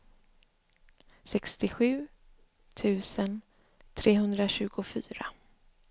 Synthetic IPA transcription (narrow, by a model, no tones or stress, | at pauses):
sɛkst̪ɪɧʉ̟ː | t̪ʰʉ̟ːsən | t̪ʰɾeːɦɵnd̪ɾaɕʉ̟ːɡʊfyːɾa